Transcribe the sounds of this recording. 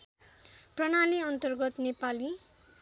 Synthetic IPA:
prʌnaniʌnt̪ʌrɡʌt̪nepali

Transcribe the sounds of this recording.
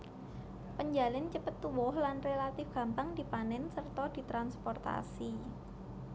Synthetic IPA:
pəɲd͡ʒalɪnt͡ʃəpət̪ːuwʊhlanrelat̪ɪfɡ̥ä̤mpaŋd̥̪i̤panɛnsərt̪ɔd̪̥i̤t̪ɾanspɔrt̪a̰si

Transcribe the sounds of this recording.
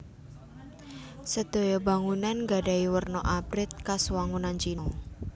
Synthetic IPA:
səd̪̥o̤jɔba̤ŋunanŋɡaɖa̤iwərnɔʔabɾɪt̪̚kaswaŋunant͡ʃinɔ

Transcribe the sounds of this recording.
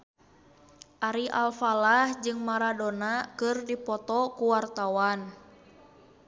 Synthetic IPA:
ʔaɾiʔalfalahd͡ʒɨŋmaɾadonakɨrdipɔt̪ɔkuwart̪awan

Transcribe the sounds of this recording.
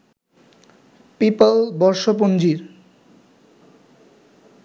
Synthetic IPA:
pipalbɔɾʃop̬ond͡ʑiɾ

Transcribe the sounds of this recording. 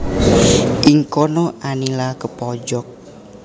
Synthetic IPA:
ʔiŋkɔnɔʔanilakəpɔd͡ʒɔk̚

